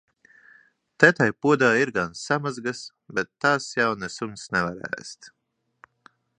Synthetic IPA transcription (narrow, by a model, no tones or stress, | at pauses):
t̪ɛt̪ajpuɔd̪aːiɾɡansamazɡas | bɛt̪ːaːsjawnɛsumsnɛvaɾɛ̰ːst̪